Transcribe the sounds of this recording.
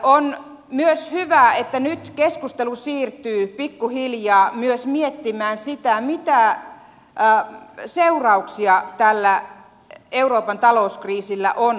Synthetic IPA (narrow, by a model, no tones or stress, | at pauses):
on | myøshyʋæet̪ːænyt̪keskust̪elusiːrt̪yːpikːuhiljɑːmyøsmiet̪ːimæːnsit̪æmit̪æ | seurɑuksiɑt̪ælːæ | euroːpɑnt̪ɑlouskriːsilːæ̰ʔon